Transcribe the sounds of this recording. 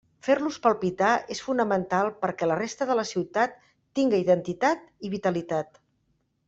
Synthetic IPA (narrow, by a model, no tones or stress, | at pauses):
feɾluspəlˠpit̪aesfunəmənt̪alˠpəɾkɛlərest̪əðələsiwt̪at̪ː | iŋɡəiðənt̪it̪at̪iβit̪əlit̪at̪